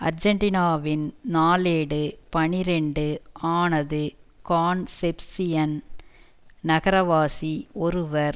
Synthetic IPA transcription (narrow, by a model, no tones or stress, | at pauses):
ɐ̰ɾd͡ʒɐɳʈɪnaːʋɪnnaːleːɽɯpɐɳɪɾɛɳɖɯaːnɐðɯkaːnsɛpsɪjɐn | nɐɣɐɾɐʋaːsiɔɾɯʋɐɾ